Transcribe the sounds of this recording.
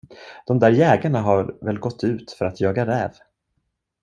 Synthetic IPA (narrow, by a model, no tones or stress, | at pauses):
d̪̥ɔmd̪æːɾjɛːɡaɳaɦaɾvɛlɡɔt̪ʰːʉ̟ːt̪fœɾat̪jɑːɡaɾɛːv